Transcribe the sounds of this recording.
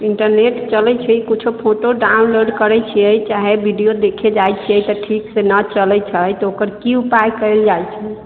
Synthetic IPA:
iɳʈəɾneʈt͡ʃəlɛt͡ʃʰəkut͡ʃʰupʰoʈoɖaunloɖkəɾɛt͡ʃʰiəjt͡ʃaɦebʱiɖijod̪ekʰed͡ʒajt͡ʃʰijəjt̪ɔʈʰiksenət͡ʃəlɛt͡ʃʰəjt̪ɔokəɾkiupajkəɪld͡ʒajt͡ʃʰɛ

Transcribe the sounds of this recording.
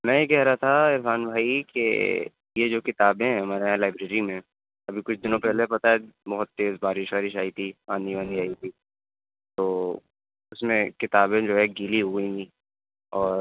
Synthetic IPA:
mɛ̃ːjekɛɦɾaat̪ʰaɪɾfaːnbʱaːikḛ | jed͡ʒoːkɪt̪aːbẽɦɐmaːɾeɦɛ̃laːɪbɾeːɾimẽ | ɐbʱikʊt͡ʃʰd̪ɪnõpɛɦlepɐt̪aɦɛbɔɦʊt̪ːeːzbaːɾɪʃʋaːɾɪʃaːit̪ʰiãːnd̪ibə̃nd̪iaːit̪ʰi | t̪oː | ʊsmẽkɪt̪aːbẽd͡ʒoːɦɛɡiːliɦʊɡĩɡi | ɔːɾ

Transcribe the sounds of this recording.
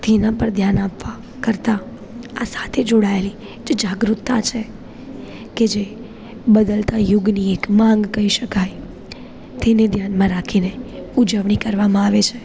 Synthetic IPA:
t̪enãpəɾd̪ʱjanapʋa | kəɾt̪aː | sḁt̪ʰed͡ʒoɽaeli | d͡ʒed͡ʒaɡɾut̪ːat͡ʃʰe | ked͡ʒe | bəd̪əlt̪ajʊɡniekmãŋɡkəiʃəkaj | t̪ened̪ʱjanmãɾakʰineud͡ʒəʋɳ̃ikəɾʋamãaʋet͡ʃʰe

